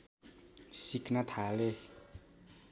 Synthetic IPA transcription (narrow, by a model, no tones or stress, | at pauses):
siknʌt̪ʰale